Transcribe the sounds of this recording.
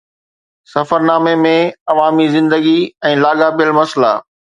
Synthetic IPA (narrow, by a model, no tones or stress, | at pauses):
sɐfəɾnaːmemẽɐʋaːmizɪ̃nd̪əɡiɛ̃ːlaːɠapijəlmɐsla̰ː